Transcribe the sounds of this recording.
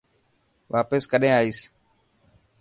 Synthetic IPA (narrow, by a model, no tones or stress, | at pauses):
ʋʔaːpəskəɗẽːaːiːs